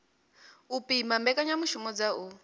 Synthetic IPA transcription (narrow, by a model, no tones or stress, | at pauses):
upimambɛkʼaɲamuʃumɔd͡zau